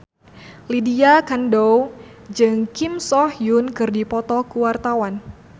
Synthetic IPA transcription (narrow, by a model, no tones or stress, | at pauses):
lidiakandow | d͡ʒɨŋkimsɔhjunkɨrdipɔt̪ɔkuwart̪awan